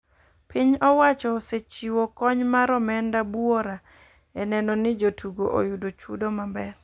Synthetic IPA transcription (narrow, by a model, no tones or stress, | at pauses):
piɲɔwat͡ʃɔset͡ʃiwɔkɔɲmaɾɔmɛndabwoɾa | ɛnɛnɔnɪd͡ʒotʰuɡoʔo̰jʊdot͡ʃṵdomambɛr